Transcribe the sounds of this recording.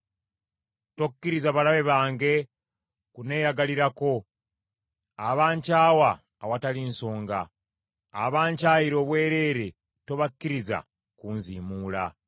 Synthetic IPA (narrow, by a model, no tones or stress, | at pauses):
to̞kːiɾizaβalaβe̞βaːŋɡe̞ | kune̞ːjaɡaliɾako̞ | aβaːɲcaːwaː | watalinso̞ːŋɡaː | βaːɲcaːjiɾo̞ːβwe̞ːɾe̞ːɾe̞ | to̞βakːiɾiza̰ | kuːnziːmuːla̰